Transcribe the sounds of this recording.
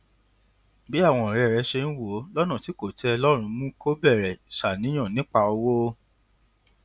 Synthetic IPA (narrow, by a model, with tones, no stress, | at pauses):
bi˦a˦˨w̃ɔ̃˧˨ɾɛ˧˨ɾɛ˧˦ʃe˧ñ̩˦wo˨˦lɔ˦nɔ̃˦˨ti˨˦ko˦˨tɛ˧ɔ˧lɔ˦ɾ̃ũ˧mũ˦kʰo˦bɛ˦˨ɾɛ˨ʃa˨nĩ˨˦j̃ɔ̃˦˨nĩ˨˦k͡pa˧o˧wo˦